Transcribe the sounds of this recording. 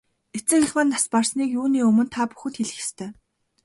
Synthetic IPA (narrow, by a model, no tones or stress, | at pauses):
et͡sɘ̆ŋxĭxmănːasparsniːkjuːniːɵmɵ̆nt̪ʰapu̥xɘ̆t̪xeɮɘ̆xe̥st̪ʰœː